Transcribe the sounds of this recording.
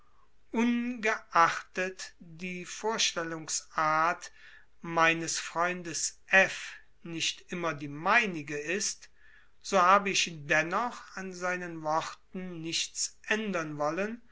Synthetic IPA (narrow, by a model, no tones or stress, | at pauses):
ʔʊnɡəʔaχtətd̥iːfoːɐʃtɛlʊŋsʔaːɐt | maɪnəsfʁ̥ɔʏndəsʔɛf | nɪʃtʔɪmɐdiːmaɪnɪɡəɪst | z̥oːhaːbəɪʃdɛnɔχanzaɪnənvɔʁtn̩nɪʃt͡sʔɛndɐnvɔlən